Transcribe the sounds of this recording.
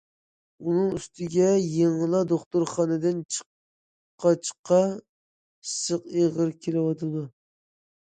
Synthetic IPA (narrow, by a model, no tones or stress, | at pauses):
unɨŋyst̪ʰɪɡʲɛjeŋɨlˠɑd̪oχt̪uɾχɑːnɨd̪ɨnt͡ʃʰə̥q | qʰːɑt͡ʃʰə̥qːɑ | səqeʁəɾkʲʰelɪwɑt̪ʰɨd̪u